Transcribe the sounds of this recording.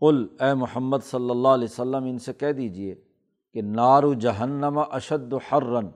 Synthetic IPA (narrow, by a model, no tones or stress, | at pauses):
qʊlɛːmʊhəmːəd̪sɐlːəlːaːɦlɛːsɐlːəmɪnsekɛɦd̪iːd͡ʒieː | kenaːɾud͡ʒɐɦɐnːɐmɐʔɐʃɐd̪ːʊħɐrːɐn